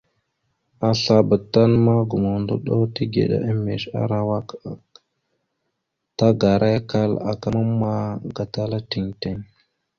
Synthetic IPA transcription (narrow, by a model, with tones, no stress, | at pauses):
a˨ɬa˨bə˨tːa˦nma˦ɡu˨mo˨ndo˦ɗo˦ti˦ɡḛ˨ɗa̰˦ʔə˦mːḛ˨ʃa̰˦ɾa˨wa˦k | ta˦ɡa˨ɾa˦ka˦la̰˨ka˦ma˦ma˦ɡa˨ta˦la˦ti˨ŋte˦ŋ